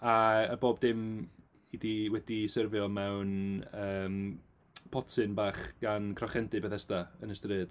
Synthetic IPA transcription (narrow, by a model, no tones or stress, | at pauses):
aəboːbdɪm | idiwɛd̥isərvjɔmɛwnəːm | pʰɔtʰɨnbaːχɡ̥ankʰrɔχɛndɨbɛθɛstaənəstrɨːd̥